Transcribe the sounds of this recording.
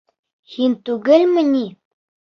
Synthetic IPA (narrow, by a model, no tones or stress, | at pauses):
hint̪ʉɡɘlmɘ̆ni